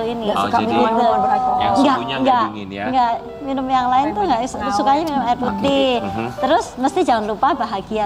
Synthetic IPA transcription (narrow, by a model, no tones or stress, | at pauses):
uinisukabibɪt̪bəaŋɡaŋɡaʔ | ŋɡaʔ | minəmjaŋlaɪnt̪ʊhŋɡaʔsukaɲaminəmaput̪̚nɪt̪əɾʊsməst̪id͡ʒaŋanɾupabaɦaɡia